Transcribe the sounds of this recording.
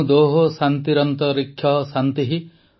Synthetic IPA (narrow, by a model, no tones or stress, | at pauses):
d̪oɦosant̪iɾɔnt̪ɔɾikʰːjɔsant̪iɦi